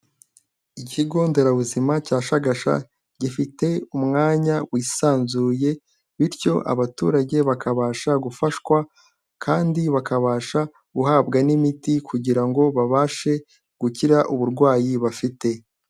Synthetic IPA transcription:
iciɡo̞ːnde̞ɾaβuzimacaːʃaɡaʃa̰ | ɟifite̞umŋaːɲawiːsaːnzuːje̞ | βiɾco̞ʔa̰βatṵːɾaɟe̞βakʰaβaːʃaɡufaʃkwa | kʰaːndiβakaβaːʃa | ɡuhaːbɡanimitikʰuɟiɾaŋɡo̞βaβaʃe̞ | ɡ̥uciɾaʔuβuɾɡwaːjiβafite̞

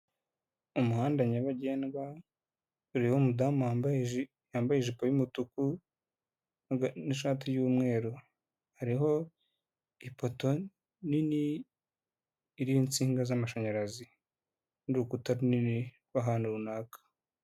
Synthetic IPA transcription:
umuhaːndaɲaβaɟeːnɡa | uɾihomudamabʒ | jaːmbajiʒipojumutuku | naɡaniʃaːt̬ijuːmŋe̞ːɾu | haɾiɦo̞ | ipoto̞ | nini | ɾiːnt͡siːŋɡazamaʃaɲaɾazi | ndukutaɾunini | waɦaːnuɾunaːkḁ

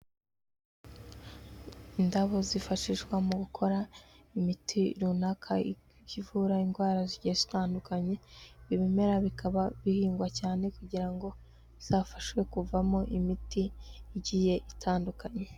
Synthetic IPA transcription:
indaβo̞zifaʃiʒɡwamuɡukʰo̞ɾaimitʰiɾunakʰai | civuɾainɡwaːɾaziɟijez̥itaːndukaɲe̞βiβime̞ɾaβikʰaβaβihiːŋɡwacaːne̞kuɟiɾaŋɡo̞ | z̥aːfḁʃwe̞kuvamo̞ʔimitiːɟije̞ʔitʰaːndukaɲe̞

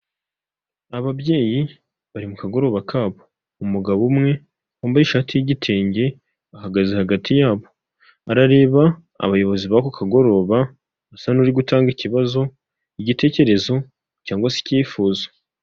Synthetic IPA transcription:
aβaβje̞ːji | βaɾimukaɡo̞ɾo̞βakʰaːβo̞̥ | umuɡaβumŋe̞ | hoːmbajiʃaːtijiɟitʰe̞ːɲɟe̞ | ahaɡazehaɡatʰijaːβo̞ | aɾaɾe̞ːβa | a̰βajo̞βo̞ziβakokʰaɡo̞ɾo̞ːβaː | sanuɾiɡutaːŋɡiciβazo̞ | iɟite̞ːce̞ɾe̞zo̞ | caːŋɡwasi̥ciːfuːzḁ

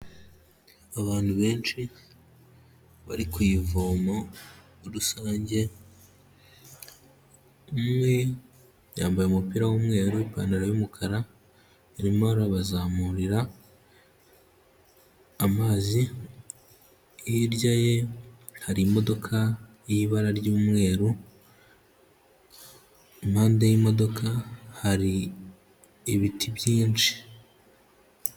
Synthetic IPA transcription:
aβaːntuβe̞ːnʃi | βa̰ɾikwuivoːmo | oɾusaːɲɟe̞ | umŋwe | jaːmbajeumupiːɾawumŋe̞ːɾuwipaːnaɾajumukʰaɾa | iɾimohaɾaβazaːmuɾiɾa | maːzi | jiɾɟaje̞haɾiːmo̞do̞kʰa | jiβaɾaɾɟuːmŋe̞ːɾu | mhaːndejimo̞do̞kʰahaɾi | βitʰibjiːnt͡ʃi̥

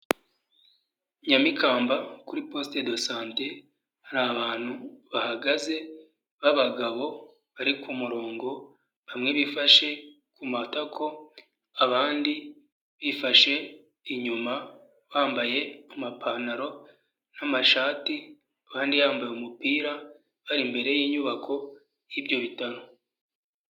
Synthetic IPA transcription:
ɲamikaːmbakuɾipo̞ːste̞do̞saːnte̞ | haɾaβaːn̥huβahaɡaze̞ | βaβaɡaβo̞ | βaɾikumuɾo̞ːŋɡo̞ | βamŋe̞βifaʃe̞ | kumatakʰo̞ | aβaːndi | βifaʃe̞ | iɲuma | βaːmbaje̞amapʰanaɾo̞ | namaʃaːti | aβaːndijaːmbajeumupiːɾa | βaɾimbe̞ɾe̞jiːɲuβakʰo̞ | jibɟo̞βitaɾo

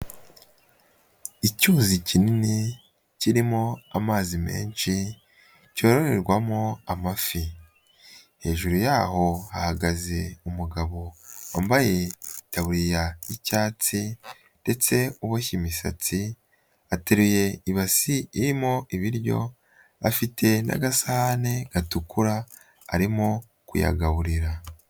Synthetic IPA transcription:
icuːzicinini | ciɾimoamaːzime̞̰ːnʃi | co̞ɾo̞ɾe̞ɾɡwamoamafi | he̞̰ːʒuɾujaːho̞ahaɡaze̞umuɡaβo̞wa̰ːmbaje̞taβuɾijaicaːt͡si | nde̞t͡se̞uβocimisa̰t͡si | ateɾuje̞iβasiːɾimoiβiɾɟo̞̰ | a̰fitʰe̞na̰ɡasahane̞ɡ̥atukuɾa̰ː | ɾimo | kṵja̰ɡaβuɾiɾa

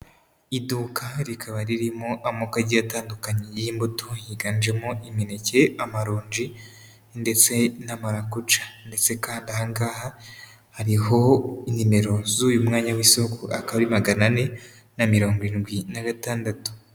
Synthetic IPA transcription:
iduːkaɾikʰaβaɾiɾimoʔamokaɟijataːndukaɲejiːmbutoiɡaːnd͡ʒe̞moiminece̞amaɾoːɲd͡ʒi | nde̞t͡se̞namaɾakut͡ʃḁnde̞t͡se̞kaːndahaŋɡaːha | haɾiɦo̞inime̞ɾo̞zuːjumŋaːɲawisokuakaβaɾimaɡanane̞ | namiɾoːŋɡuɾiːnɡwinaɡataːndatu̥

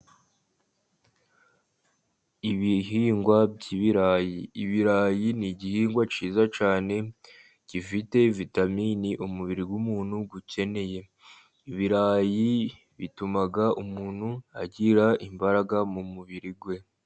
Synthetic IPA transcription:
iβiɦiːŋɡwabɟiβiɾaːjiːβiɾaːjiniɟihiːŋɡwat͡ʃiːzat͡ʃaːne̞ | ɟ̥ifite̞vitaminiʔumuβiɾiɡwumuːn̥huɡuce̞ne̞je̞ | iβiɾaːji | βitumaɡaʔumuːn̤̥hua̰ɟiɾaʔimbaɾaɡamumuβiɾiɡwe̞

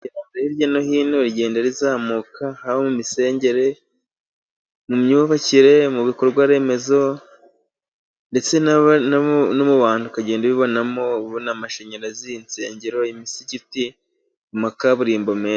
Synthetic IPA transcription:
aɾaiɾjanohiːnoɾɟe̞ːndaɾizaːmukʰahaβomumise̞ːɲɟe̞ɾe̞ | mumɲuːβaciɾe̞muβikoɾuɡwaɾe̞me̞zo̞ | nde̞t͡se̞nnnomuβaːn̥hukaɟe̞ːndaβiβo̞namo̞βonamaʃeɲaɾaziːnt͡se̞ːɲɟeɾo̞imisiɟiti | umakaβuɾiːmbo̞meː

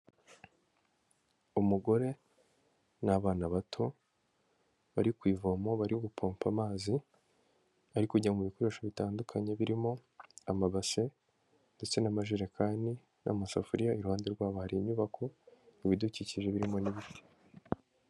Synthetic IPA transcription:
umuɡo̞ɾe̞ | naβaːnaβatʰo̞ | βaɾikwiːvomo̞βaɾioɡupʰoːmpamaːzi | aɾikuɟiamuβikoɾe̞ʃoβitaːndukʰaɲe̞βiɾimo̞amaβase̞ | nde̞t͡se̞namaʒiɾakʰaːndi | nʔa̰masafuɾijaiɾuhaːnde̞ɾɡwaːβohaɾiɲɲuβakʰo̞niβiduciciʒe̞βiɾimo̞niβite̥

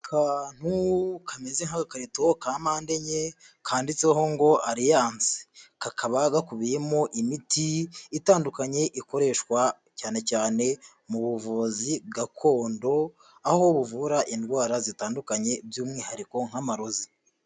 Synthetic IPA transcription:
kʰaːn̥hukʰamezeŋaɡakaɾitookaːmaːnde̞ɲe | kʰaːndit͡seɦo̞ŋɡo̞aɾijaːnzi̥kakʰaβaɡakuβijemo̞ʔimitiitaːndukaɲe̞ʔiko̞ɾe̞ːʃkwa | caːne̞caːne̞ | muβuvuzibɡakʰo̞ːndo̞ | ahoβuvuɾaʔindɡwaːɾazitaːndukaɲe̞bjuːmŋiːhaɾiko̞ŋ̥hamaɾozi

